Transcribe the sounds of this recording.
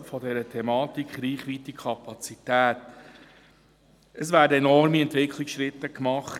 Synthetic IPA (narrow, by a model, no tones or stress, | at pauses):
fɔdɛɾətʰɛmɑːtikχɾiːχʋiːt̪ikʰɑpɑt͡sit̪æːt̪ | əsvæːɾdəɛnɔɾmiɛntʋɪkχliksʃɾɪt̪ːəkmɑχt